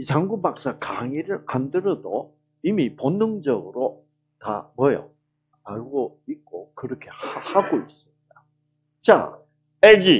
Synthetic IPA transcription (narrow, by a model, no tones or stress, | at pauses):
it͡ɕaŋɡubak̚s͈akaŋiɾɯɭkandɯɾʌdo | imiponːɯŋd͡ʑʌɡɯɾo | ta̰mʌjʌ̰ | aɭɡo | ik̚k͈okɯɾʌkʰe̞haɡois͈ɯmɲid̥a | t͡ɕa̰ | ed͡ʑi